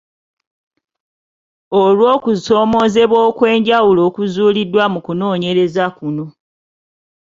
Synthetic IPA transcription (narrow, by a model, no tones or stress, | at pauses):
olwo̞ːkuso̞ːmo̞ːze̞βwoːkwe̞ːɲɟawulo̞ːkuzuːlidːwamukuno̞ːɲe̞ɾe̞zakuno̞